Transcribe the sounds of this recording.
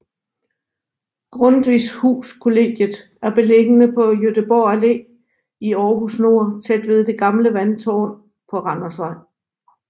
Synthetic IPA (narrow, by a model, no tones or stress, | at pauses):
ɡ̥ʁɔ̽nd̥ʋishṵːskʰo̝le̝ɡ̥jəð̩ˠ | æɐb̥e̝le̝ɡ̥ənəpʰɒ̽jød̥əb̥ɒːæle̝̰ː | iɒːɦusno̝ɐ̰t͡sʰed̥ʋe̝ð̞ˠd̥e̝ɡ̥ɑ̈mləʋænt͡sʰɒ̰ː | pʰɒ̽ʁɑ̈nɐsʋɑ̈ɪ̰